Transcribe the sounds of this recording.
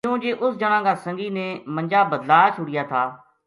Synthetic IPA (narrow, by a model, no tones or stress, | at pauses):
kjũːd͡ʒeːʔʊsd͡ʒəɽ̃ãːɡaːsə̃ŋɡiːnẽːmə̃nd͡ʒaːbəd̪laːt͡ʃʰʊɽɪjaːt̪ʰaː